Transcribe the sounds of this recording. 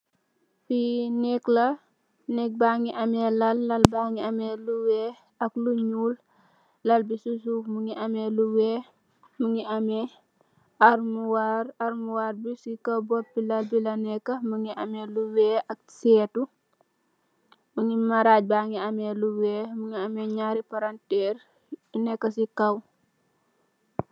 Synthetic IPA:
binɛklɐ | nɛk̚baːŋiʔɐmɛːlɐlːɐlbaːŋiɐmɛluwɛː | ɐkluɲuːl | lɐlbisusumuŋiʔɐmɛːluwɛː | muŋiʔɐmɛ | ɐɾmuwaɾaɾmuwaːɾbisikɐwbɔpːilɐlbilɐnɛkːɐməŋiʔɐmɛluwɛːʔɐk̚sɛːtu | məŋimaɾaːɟ̚baŋiɐmɛːluwɛːmuŋiɐmɛɲaːɾipaɾantɛːr | nɛkːɐsikɐw

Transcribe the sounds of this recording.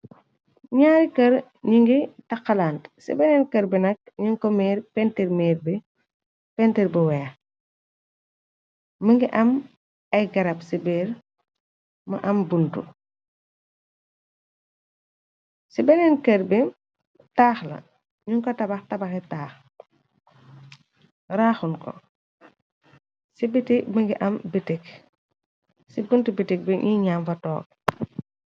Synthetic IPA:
ɲaːɾikɐɾ | ɲiŋɡitɐqːɐlaːntsḭbɛnɛnkɐɾbinɐk̚ɲuŋkɔmɛːɾpɛntiɾmɛːɾbi | pɛntiɾbəwɛːx | məŋɡiʔɐm | ɐjɡɐɾɐpsibɛːɾ | mɐʔɐmbuntṵ | sibɛŋɛnkɐɾbin | taːxlɐ̰ | ɲuŋkɔtɐbɐxtɐbɐxɛtaːx | ɾaːxunkɔ̰ | sibitikməŋɡiʔɐmbitik̚ | sibuntubitik̚biʔiɲaːmfɐtɔːk̚

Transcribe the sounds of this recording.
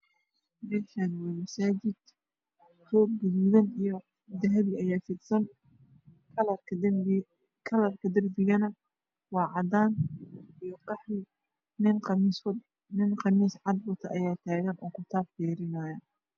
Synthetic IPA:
mɛːʃanwɐmɐsaːd͡ʒɪd̪ | sɔːɡɪliːðɐnijɔ | d̪ɐɦɐβɪɐjaːfɪd̪sɐn | kʰɐlɐrkʰɐd̪ɐrbɪɣɐnɐ | wɑːʕɑd̪aːnijɔqɑħɾɪ | nɪnqːs | nɪnqɑmiːsʕɑd̪bɔt̪ʰɐʔɐjaːt̪ʰaːɣɐnʔɔːkʰʊt̪ʰaːbfiːɾɪnaːjɐ

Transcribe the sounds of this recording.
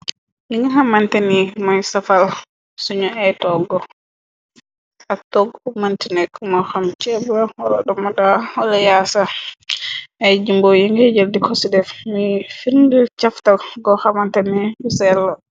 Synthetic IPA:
jiŋɡɛhamantanimajsafal | suɲɔɛtɔɡɔ | ʔatoɡmantinɛkːumɔhamt͡ʃɛbɔɔɗɔɗɔmɔdahɔlɛjasa | ʔɛd͡ʒimbɔjiŋɡɛd͡ʒeldikʰosidɛfmifiɾndit͡ʃaftaɡɔhamantanihusɛlːɔ

